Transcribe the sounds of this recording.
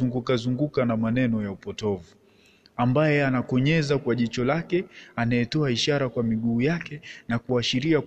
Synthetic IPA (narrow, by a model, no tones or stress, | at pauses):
uŋɡukazuŋɡukanamanɛnɔjaupɔtɔvu | ambajɛanakɔɲɛzakwaʄit͡ʃɔlakɛanajɛtɔaiʃaɾakwamiɠuːjakɛnakuaʃiɾia